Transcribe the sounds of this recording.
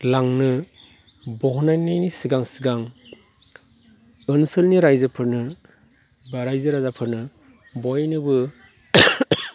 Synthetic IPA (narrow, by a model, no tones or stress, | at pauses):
laŋnɯ | bɔɦɔnajnajnisiɡaŋsiɡaŋ | ɯnsɯlniɾajzɯpʰɯɾnɯ | baɾajzɯɾazapʰɯɾnɯ | bɔjnɯbɯ